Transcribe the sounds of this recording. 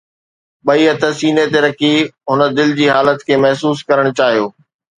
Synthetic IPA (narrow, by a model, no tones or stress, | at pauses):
ɓɐiɐt̪ʰəsiːnet̪eɾɐkʰiɦʊnə̆d̪ɪld͡ʑiːɦaːlət̪kʰeːmɐɦsuːskɐɾəɽ̃ʊt͡ɕaːɦijoː